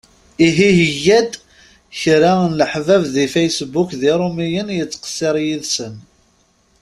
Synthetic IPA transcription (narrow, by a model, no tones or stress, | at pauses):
iɦiɦəjːæd̪ | çɾanləħvævðifejsbukðiɾˤomijənjət͡sːqə̥sːɪɾˤjiðsən